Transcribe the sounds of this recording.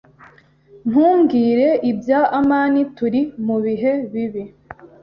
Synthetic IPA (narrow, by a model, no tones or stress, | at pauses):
n̥huːmɡiːɾe̞ʔibjaʔamaːnituɾimuβiɦe̞βiβi